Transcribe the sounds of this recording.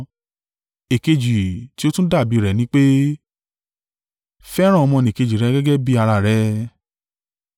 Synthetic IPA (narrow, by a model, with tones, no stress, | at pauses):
e˨ke˧d͡ʒi˨ti˦o˦tũ˦da˦˨bi˨˦ɾɛ˨nĩ˦k͡pe˦ | fɛ˦ɾ̃ã˦˨ɔ˧mɔ̃˧nĩ˨ke˧d͡ʒi˨ɾɛ˨˧˦ɡɛ˦ɡɛ˦bi˦a˧ɾa˧˨ɾɛ˧˦